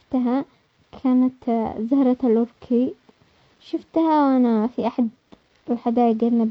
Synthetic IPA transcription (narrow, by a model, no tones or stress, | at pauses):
t̪ɦa | kʰaːnat̪zahɾˤɑt̪alʔʊɾkʰi | ʃʊft̪hawʔanafiʔaħad̪ | ɪlħad̪aːjaɡalna